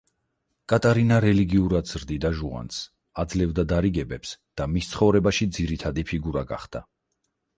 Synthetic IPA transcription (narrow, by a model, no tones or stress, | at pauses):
kʼat̪ʼaɾinaɾɛliɡiuɾad̪z̥ɾd̪id̪aʒua̰ns | ad̪zlɛvd̪ad̪aɾiɡɛbɛpsd̪̥amist̪sʰχɔvɾɛbaʃid̪ziɾit̪ʰad̪ipʰiɡuɾaɡa̰χd̪̥a